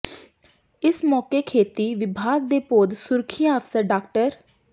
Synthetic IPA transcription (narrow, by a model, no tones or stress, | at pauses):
ɪsmɔːkeːkʰeːt̪iːʋɪbʱaːɡ̚d̪eːpoːd̪sʊɾkʰɪjãːəpʰsəɾɖaːkʈəɾ